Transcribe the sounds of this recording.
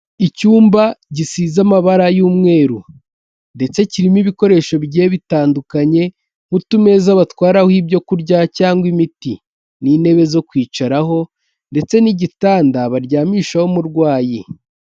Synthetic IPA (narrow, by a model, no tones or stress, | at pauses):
icuːmbaɟisiːzamaβaɾajuːmŋe̞ːɾu | nde̞t͡se̞ciɾimiβiko̞ɾe̞ːʃo̞βɟeːβitaːndukaɲe̞ | hutume̞zaβatwaːɾahibɟo̞kuɾɟacaːŋɡwimiti | niːne̞βe̞zo̞kwiːt͡ʃaɾaɦo̞ | nde̞t͡se̞niɟitaːndaβaɾɟaːmiːʃaho̞muɾɡwaːji